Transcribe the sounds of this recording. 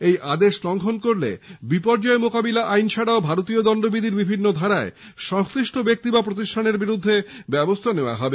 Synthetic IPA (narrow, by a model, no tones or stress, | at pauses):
ejʔad̪eʃlɔŋkʰonkoɾlḛbipɔɾd͡ʑɔemokabilaʔajnt͡ɕʰaɽaobʱaɾot̪iod̪ɔnd̪obid̪ʱiɾbibʱinːod̪ʱaɾae | ʃɔŋst̪ɾiʃʈobek̚t̪ibapɾot̪iʃʈʰaneɾbiɾud̪ʱːebɛbost̪ʰaneoa̰ɦɔbe